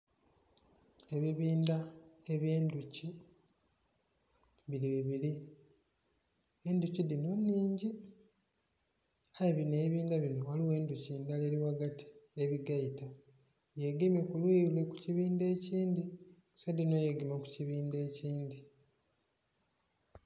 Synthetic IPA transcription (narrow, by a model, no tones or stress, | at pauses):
e̞βiβiːndae̞βjeːnduci | βiɾiβiβiɾi | e̞nducidinonːiːɲɟi | ajeβineβiːndaβinowaliwe̞ːnduciːndale̞ɾiwaɡatʰi̥e̞βiɡaita | jeɡimekulwiːlwe̞kuciβiːnde̞ːciːndi | sedino̞jeɡimoku̥ciβiːnde̞ːciːndi